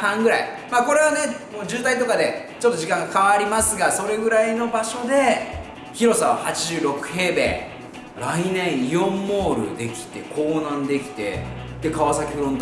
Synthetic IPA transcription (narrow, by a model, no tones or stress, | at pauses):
hãŋɡɯ̟ɾai | maːko̞ɾe̞βane̞moːd͡ʑɨːt̪ait̪o̞kad̪e̞ | t͡ɕo̞t̪ːoʑikãŋɡakaβaɾʲimasɨɡaso̞ɾe̞ɡɯ̟ɾaino̞baɕo̞d̪e̞ | çiɾo̞sãβahat͡ɕiʑɨːɾo̞kɯ̟̥he̞ːbḛː | ɾainẽ̞ɰ̃jõ̞mːo̞ːɾɯ̟̰d̪e̞kʲi̥t̪e̞̰ko̞ːnãnd̪e̞kʲi̥t̪e̞̰ | t̪e̞kaβasakʲeɸɯ̟ɾõnt̪